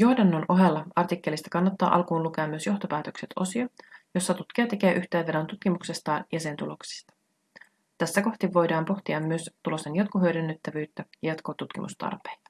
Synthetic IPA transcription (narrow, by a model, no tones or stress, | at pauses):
jo̞hdɑnːonʔo̞ɦelːɑɑrt̪ikːe̞list̪ɑ̥kɑnːɑt̪ːɑ̰ːʔɑ̰lkuːnluk̟eɑmːyø̞sjo̞ht̪o̞pæːt̪ø̞kse̞t̪ʰo̞siɑjo̞sːɑt̪ut̪k̟iɑt̪ek̟eːʔyht̪eːʋːeɾont̪ut̪k̟imukse̞st̪ɑːnjʔæse̞nt̪ulo̞ksi̥st̪ɑ̥ | t̪æsːæko̞ht̪iʋːo̞jdɑːmpo̞xt̪iɑmːyøst̪ulo̞senjɑt̪koɦøɥdenːøt̪ːæʋyːt̪ːæjɑjɑt̪koːt̪ut̪k̟ḭmṵst̪ɑ̰rpejt̪ɑ̥